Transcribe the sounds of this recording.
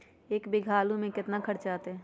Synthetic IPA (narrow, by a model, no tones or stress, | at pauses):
eːkbɪɡʱaːlumẽkɪt̪nakʰəɾt͡ʃaːt̪eɦɛ̃ː